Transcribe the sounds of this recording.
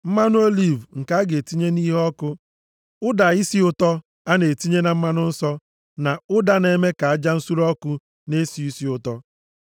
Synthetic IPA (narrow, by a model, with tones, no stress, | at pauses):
m̩˦ma˦nʊ˦o˦li˨vŋ̩˨ka˦ɡe˨ti˦ɲe˦ni˦ɦɔ˦kʊ˦ | ʊ˦da˨i˦si˦ʊ˦tɔ˦ | a˦ne˨ti˦ɲe˦na˨m̩˦ma˦nʊ˦n̩˦sɔ˦ | na˨ʊ˦da˦ne˨me˦ka˨a˦d͡ʒa˦n̩˦su˦ɾɔ˦kʊ˦ | ne˦si˨i˦si˨ʊ˦tɔ˦